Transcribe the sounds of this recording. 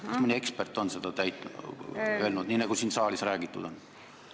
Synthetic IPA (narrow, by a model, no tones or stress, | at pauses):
kɑsminie̞kspert̪ːˑo̞nse̞d̪̥ɑt̪æjt̪ːˑ | ølnud̪niːnɑɡ̥usiːnsɑːlisræːɡ̥it̪ːˑud̪̥o̞n